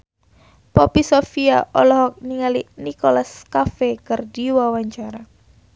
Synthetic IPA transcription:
pɔpisofiaʔɔlɔhɔk̚niŋalinikolaskafekɨrdiwawaɲt͡ʃaɾa

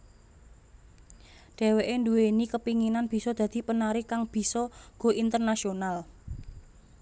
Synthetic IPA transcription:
ɖ̥ɛ̤weʔenduenikəpiŋinanb̥i̤sɔd̪̥a̤d̪̥i̤pənaɾikaŋb̥i̤sɔɡ̥o̤ʔint̪ərnasional

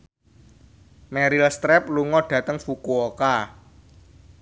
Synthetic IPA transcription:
mɛɾilst̪ɾɛp̚luŋɔɖ̥ä̤t̪əŋfukuoka

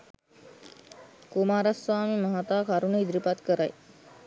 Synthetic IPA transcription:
kumaːɾaswaːmiməɦat̪aːkaɾuneid̪ɾipat̪kəɾaj

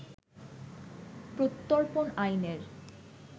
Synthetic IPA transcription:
pɾot̪ːoɾponajneɾ

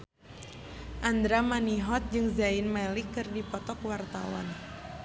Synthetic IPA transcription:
ʔand̪ɾamaniɦɔt̪̚d͡ʒɨŋzainmɛlikːɨrdipɔt̪ɔkwart̪a̰wa̰n

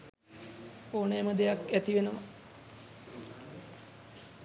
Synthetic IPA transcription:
oːnejməd̪ejakæt̪iʋenəʋa

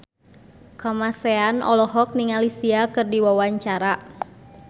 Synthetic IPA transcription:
kamasɛanʔɔ̰lɔɦɔk̚niŋalisiakɨrdiwawaɲt͡ʃaɾa

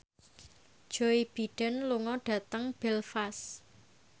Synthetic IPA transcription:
ʒ̥oib̥i̤ɖ̥ə̤nluŋɔɖ̥ä̤t̪əŋb̥ɛlfas

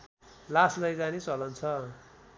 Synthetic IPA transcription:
laslʌjd͡zanit͡sʌlʌnt͡sʰʌ

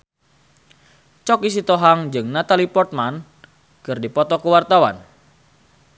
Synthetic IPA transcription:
t͡ʃɔkis̬it̪ɔɦaŋd͡ʒɨŋnat̪alipɔrt̪̚man | kɨrdipɔt̪ɔkuwart̪awa̰n

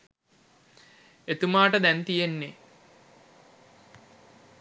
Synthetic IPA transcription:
et̪umaːʈəd̪ɛnt̪ijenːe

